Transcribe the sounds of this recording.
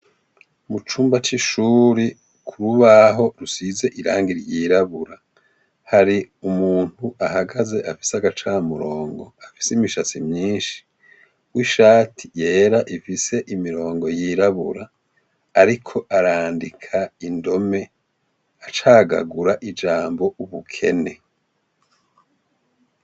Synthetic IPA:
mut͡ʃuːmbat͡ʃiʃuːɾi | kʰuɾuβaɦo̞ɾusize̞ʔiɾa̰ːŋɡiɾjiːɾaβuɾa | haɾi | umuːn̥huahaɡaze̞ʔafi̥seaɡat͡ʃaːmuɾo̞ːŋɡo̞afi̥seimiʃat͡simɲiːnʃi̥ | wiʃaːtʰi̥je̞ːɾaʔifise̞ʔimiɾo̞ːŋɡo̞jiːɾaβṵɾaː | ɾikʰo̞ʔaɾaːndikʰaindo̞me̞ | at͡ʃaːɡa̰ɡuɾaʔid͡ʒaːmbo̞ʔuβukʰe̞̰ne̞

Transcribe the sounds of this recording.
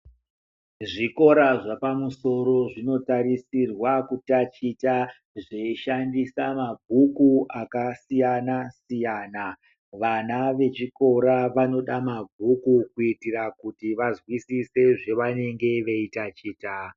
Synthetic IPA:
ʐiko̞ɾaʐapamuso̞ro̞ʐino̞tarisirwakutat͡ʃita | ʐeʃandisamabʱukuakasijanasijaːna | ʋanaʋe̞t͡ʃiko̞ɾaʋano̞ɗamabʱukukuitirakutiʋazwisise̞ʐe̞ʋane̞ŋɡe̞ʋe̞itat͡ʃiːta

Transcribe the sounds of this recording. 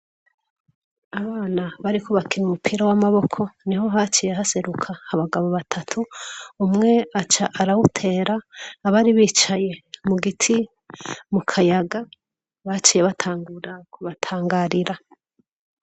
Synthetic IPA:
aβaːnaβaɾikʰoβakinumupʰiːɾawamaβo̞kʰo̞niho̞ɦat͡ʃijeɦase̞ɾukʰahaβaɡaβo̞βatʰatʰuumŋe̞at͡ʃaʔːɾawutʰe̞ːɾaːβaɾiβiːt͡ʃaje̞muɡitʰi | mukʰajaɡa | βat͡ʃije̞βatʰaːŋɡuɾakuβatʰaːŋɡaɾiɾa

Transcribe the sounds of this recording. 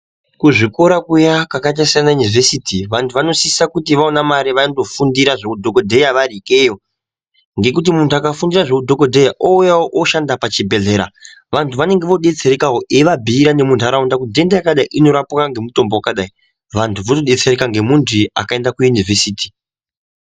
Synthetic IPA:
kuʐiko̞ɾakujakakat̬asanajunivesitiʋantʰuʋano̞siisakutiʋaonamaɾiʋando̞fundiɾaʐekudʱokodʱe̞jaʋaɾikejo̞ | ŋɡe̞kut̬imuntʰuakafundiɾaʐekudʱoko̞dʱe̞jaʔoujawoʔoʃandapat͡ʃibʱe̞ɮe̞ːɾa̰ | ʋantʰuʋane̞ŋɡe̞ʋo̞ɗe̞t͡seɾekaoʔeʋabʱiːɾane̞muntʰuaɾaundakudʱe̞ndajakaɗaiʔino̞ɾapukaŋɡe̞muto̞mbowakaɗai | ʋantʰuʋotoɗe̞t͡seɾekaŋɡe̞muntʰia̰kaendakujunivesiːti̥

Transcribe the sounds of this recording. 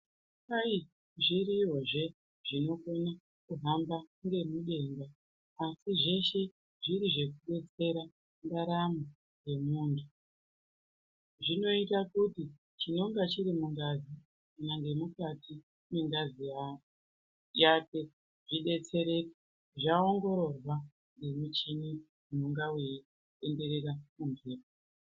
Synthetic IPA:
ai | ʐiɾiːɦo̞ʐe̞ | ʐino̞kona | kuɦambaŋɡe̞muɗe̞ːŋɡaː | siʐe̞ʃe̞ | ʐiɾiʐe̞k̬uɗe̞t͡se̞ɾa | ndaɾamu | ɡe̞muːndʰu | ʐino̞itakuti | t͡ʃino̞ŋɡat͡ʃiɾimuŋdazi | kanaŋɡe̞mukati | meŋɡazij | jake̞ | ʐ̥iɗe̞t͡se̞ɾe̞ka | ʐao̞ŋɡo̞ɾo̞rwa | ŋɡe̞mut͡ʃini | mum̤uŋɡaweji | e̞nde̞ɾe̞ɾamunviːro

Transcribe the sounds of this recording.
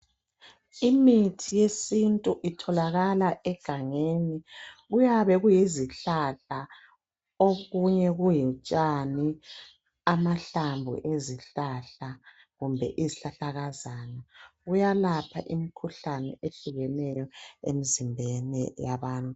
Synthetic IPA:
imitʰijesintʼuʔitʰɔlaɣalaʔɛɡ̥ʱaŋeniɣujaβɛɣujiziɬaɬa | oɣuɲɛɣujit͡ʃʼani | amaɬambʱṵʔeziɬaɬa | ɣumbʱɛ̰ʔiziɬaɬaɣazanaɣujalapʰaʔimikʰuɬanɛ̰eɬuɣɛnɛjɔḛmizimbʱɛnɛ̰jaβaːntʼu

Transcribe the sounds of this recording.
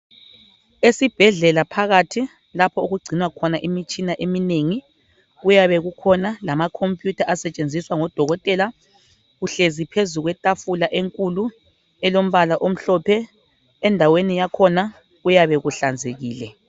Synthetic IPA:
esib̥ʱɛɮɛlapʰaɣatʰi | lapʰɔuɣuɡ͡ǀʱinwakʰɔnaʔimit͡ʃʼinaʔemineŋi | ɣujaβɛɣukʰɔnalamakʰompʼjutʰaʔasɛt͡ʃʼend͡zʱiswaŋɔd̥ʱɔɣɔtʼɛla | ɣuɬezipʰezuɣwɛtʼafulaʔeŋkʼulu | ɛlom̩βalaʔom̩ɬɔpʰɛ | ɛndʱawenijakʰɔna | ɣujaβɛɣuɬand͡zʱeɣiːlɛ

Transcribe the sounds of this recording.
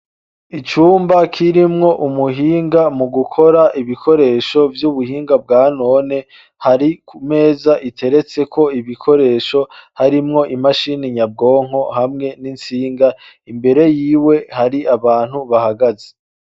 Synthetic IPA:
it͡ʃuːmbakʰiɾimŋo̞ʔumuɦiːŋɡamuɡukʰo̞ɾaʔiβikʰo̞ɾe̞ːʃo̞vjuβuhiːŋɡab̚ɡaːno̞ːne | haɾikʰume̞ːzaʔitʰe̞ɾe̞t͡se̞kʰo̞iβikʰo̞ɾe̞ːʃo̞haɾimŋo̞ʔimaʃiniɲab̚ɡo̞ːŋ̥o̞hamŋe̞nint͡siːŋɡa | imbe̞ɾe̞jiːwe̞haɾiʔaβaːn̥huβahaɡaze̥

